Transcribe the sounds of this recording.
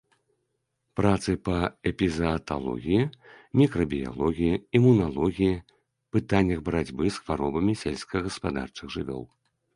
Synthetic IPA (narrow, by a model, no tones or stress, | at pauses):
pɾat̪sɨpɐɛpʲizɐt̪a̰lˠɔ̰ɣʲiji | mʲikɾɐbʲija̰lˠɔɣʲijiimunalˠɔɣʲiji | pɨt̪anʲːɐɣbɾad͡zʲbɨsxvaɾɔbɐmʲisʲɛlʲsʲkɐɣɐspad̪a̰rt͡ʂɨɣʐɨvʲɔ̰lˠ